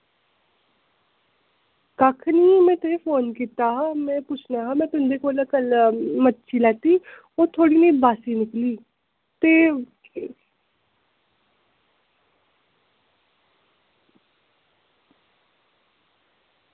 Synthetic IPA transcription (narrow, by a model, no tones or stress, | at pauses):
kakʰniːmɛ̃ːt̪ʊeːpʰoːnkiːt̪aːɦaːmɛ̃ːpʊt͡ʃʰnaːɦãːmɛ̃ːt̪ʊnd̪eːkoːlkəlmətːʃʰiːlɛːt̪iː | oːt̪ʰoːɽiːnəiːbaːsiːnɪkliː | t̪eː